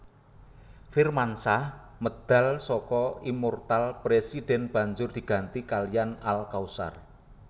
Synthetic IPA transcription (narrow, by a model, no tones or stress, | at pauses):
fɪrmansah | məd̪̥ä̤lsɔkɔimɔrt̪alpɾesid̥ɛ̤nb̥ä̤ɲd͡ʒʊrd̪̥i̤ɡ̥a̤nt̪ikalijanalkausa̰r